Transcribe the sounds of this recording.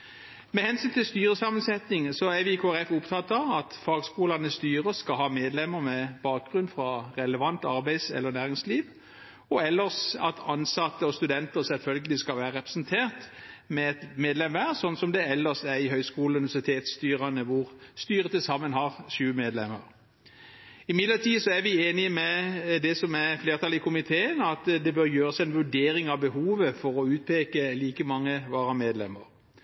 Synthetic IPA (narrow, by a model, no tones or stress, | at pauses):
mɛhɛnsyːnt̪ʰɪlst̪yːɾəsɑmənsɛt̪nɪŋsɔæɾʋɪɪkʰoːæɾɛfʊpt̪ʰɑːt̪ːɑɑt̪fɑːɡskuːlɑnəst̪yːɾəskɑɦɑːmeːd̪lɛmːəɾmɛb̥ɑːk̚ɡɾʉnfɾɑɾɛləʋɑnt̪ɑɾbæɪsɛ̰lːəɾnæːɾɪŋsliːʋ | ɔɛlːəɾsɑ̰t̪ʰɑnsɑt̪ːəɔst̪ʉd̪ɛnt̪əɾsɛlfœlɡəlɪskɑlʋæːɾəɾɛpɾɛ̥snt̪ʰeːʁt̪mɛɛt̪meːd̪lɛmʋæʁsɔnːsɔmd̪ɛɛlːəsæɾɪɦœʏskuːl̩ʉnɪʋæsɪt̪ʰeːt̪st̪yːɾɑnəʋʊʁst̪yːʁət̪ʰɪlsɑmːənɦɑʁʃʉːəmeːd̪lɛmə̰ɾ | ɪmɪd̪lət̪ʰiːsɔæɾʋɪeːnɪəmɛd̪ɛsɔmæʁfleːʁt̪ʰɑlɪkʰʊmɪt̪ʰeːənɑt̪d̪ɛbøɾjøːʁəsɛnʋʉɖeːɾɪŋɑʋbəhuːʋəfɔɾɔʉːt̪̚pʰeːkəliːkəmɑŋːəʋɑːɾɑmeːd̪lɛ̰mə̰ɾ